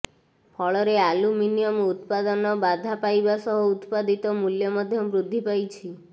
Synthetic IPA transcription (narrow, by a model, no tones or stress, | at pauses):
pʰɔɭɔɾealuminijɔmut̪pad̪ɔnɔbad̪ʱapajbasɔɦɔut̪pad̪it̪ɔmuljɔmɔd̪ʱjɔbɾud̪ʱːipajt͡ʃʰi